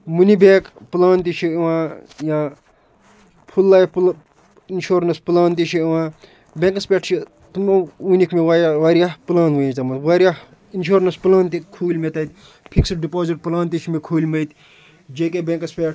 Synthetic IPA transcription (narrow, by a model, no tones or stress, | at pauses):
munibeːkplaːnt̪it͡ʃʰiʋãːjãː | pʰulːaːjp | inʃoːɾnsplaːnt̪̬it͡ʃʰiɐʋãː | bẽːŋkɐspeʈʰt͡ʃʰi | t̪umaunikʰmeʋaːjaʋaːɾjaːplaːnʋɐĩt̪ɐmɐʋaːɾjaː | inʃoːɾnsplaːnt̪ikʰuːlmet̪ɐt̪ | pʰiksɐʈ̚ɖipoːziʈ̚plaːnt̪̬it͡ʃʰmekʰuːlʲmɐjt̪ | d͡ʒekebẽːŋkɐspʲeːʈ